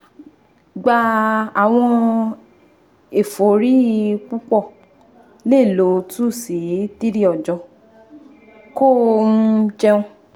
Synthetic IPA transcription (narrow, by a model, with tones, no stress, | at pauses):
ɡ͡ba˧a˨w̃ɔ̃˧ | e˨fo˨˦ɾi˦k͡pu˦k͡pɔ˦˨ | le˦˨lo˨˦tu˦˨si˨˦ti˦ɾi˦ɔ˨d͡ʒɔ̃˧˦ | ko˦˨˦ | d͡ʒɛ˧ũ˧